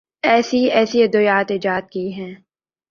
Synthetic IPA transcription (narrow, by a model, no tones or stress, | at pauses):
ɛːsiɛːsiɐd̪ʊjaːt̪ɪd͡ʒaːt̪̚kiɦɛ̃ː